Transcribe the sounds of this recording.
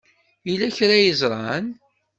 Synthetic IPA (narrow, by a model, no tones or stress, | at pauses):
ilæçɾæjəzɾˤɑn